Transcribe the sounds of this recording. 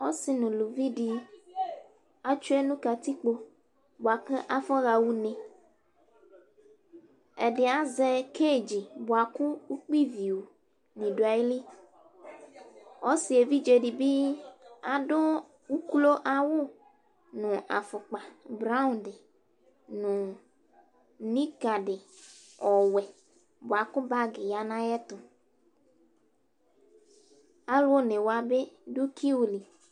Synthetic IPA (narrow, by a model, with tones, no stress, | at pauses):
o˦si˨nũ˨lu˨vi˦ɖi˨ | a˦t͡ʃu˦e˦nũ˦ka˨t̪i˦k͡po˦ | bo˨a˨kɛ̃˦ʔa˨fɔ˦ɣa˨wu˦nɛ̃˨ | e˨ɖe˨a˦zɛ˦ke˦˨d͡ʒi˨bo˨a˨ku˦wu˦k͡pi˦vi˨wo˨ | nĩ˨ɖo˨a˨e˦li˦ | wo˦si˨e˨vi˦d͡ʒe˨ɖi˨bi˦a˨ɖʊ˦ | wu˦ku˦lo˦ʔa˨wʊ˦ | nʊ̃˨ʔa˨fʊ˨k͡pa˨bɾa˦ʊ̃˦ndɪ˨ | nʊ̃˨ | nĩ˦ka˨ɖɪ˨ɔ˨wɛ˨ | bʊ˨a˨kʊ˦ba˦ɡɪ˨ja˦nã˦jɛ˦t̪ʊ˨ | a˦lʊ˦o˦ne˨wa˨be˦dʊ˦kʰi˦wu˨li˨